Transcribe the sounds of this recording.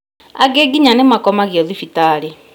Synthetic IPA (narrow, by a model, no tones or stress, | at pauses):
a̰ɡeɡiɲanemakɔmaɣjɔðifitaːɾe